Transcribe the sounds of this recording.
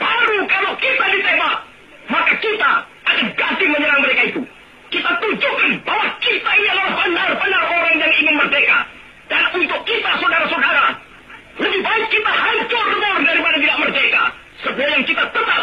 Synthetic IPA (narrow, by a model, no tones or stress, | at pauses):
b̥aɾukalowkit̪adit̪ebat̪̚ | makakit̪a̰ | akanɡadɪməɲəɾaŋməɾekait̪u | kit̪at̪ud͡ʒukanbawakit̪aiialalahbənarbənaroɾaŋjaŋiŋɪnmərdeka̰ | d̥anunt̪ʊkːit̪asodaɾasodaɾa | ləbɪhbaɪt̪̚kit̪aɦaɲt͡ʃʊrəɲaʊrdaɾipadat̪idaʔmərdeka̰ | səbuajaŋkit̪at̪ət̪ap̚